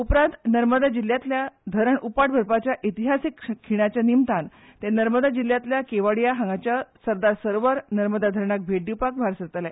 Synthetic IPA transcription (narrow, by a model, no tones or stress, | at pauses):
upɾãnt̪nəɾməd̪ad͡ʑilːjat̪ljad̪ʱəɾəɳupaʈbʱəɾpat͡ɕjaʔit̪iɦasikːʰiɽ̃at͡ɕjanimt̪an | t̪enəɾməd̪ad͡ʑilːjat̪ljakeʋaɽjaɦaŋɡat͡ɕjasəɾd̪aɾsəɾʋəɾnəɾməd̪ad̪ʱəɾɳak̚bʱeɖipakbʱaɾsəɾt̪ala